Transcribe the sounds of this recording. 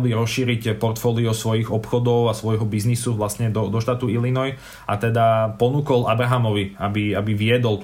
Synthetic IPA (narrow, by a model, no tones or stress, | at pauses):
liɾɔsʃiːɾicpɔɾt̪fɔːliɔsʋɔjiɣɔpxɔd̪ɔʊasʋɔjɦɔbiznisuʋlast̪ɲɛd̪ɔd̪ɔʃt̪aːt̪uilinɔj | ʔat̪ɛd̪apɔnuːkɔlabɾaɦamɔʋiabiabiʋɪɛd̪ɔl